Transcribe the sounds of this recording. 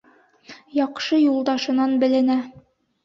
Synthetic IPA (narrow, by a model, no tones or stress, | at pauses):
jɒqʃɤjulˠd̪ɑʃɤ̆nɑnbɘ̆lɘ̆næ